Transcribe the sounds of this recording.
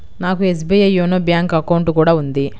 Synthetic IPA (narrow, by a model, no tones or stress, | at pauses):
naːkues̬biːjɐjoːnoːbjaːŋkɐkɐwuɳʈkuːɽaːund̪i